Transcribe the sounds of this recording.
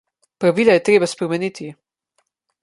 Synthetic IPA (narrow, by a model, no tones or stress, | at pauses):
pɾaʋiːlajɛt̪ɾeːbaspɾɛmɛniːt̪ʰi